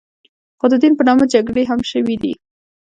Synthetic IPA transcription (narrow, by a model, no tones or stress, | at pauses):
xod̪əd̪inpənɑmad͡ʒaɡɽeɦamʃəwid̪ḭ